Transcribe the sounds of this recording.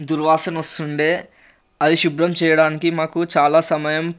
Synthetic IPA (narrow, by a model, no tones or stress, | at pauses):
d̪uɾʋaːsɐnɐst̪uɳɖeː | ɐd̪iʃubɾɐmt͡ʃɛːjɐɽaːnikimaːkut͡ʃaːlaːsɐmɐjɐm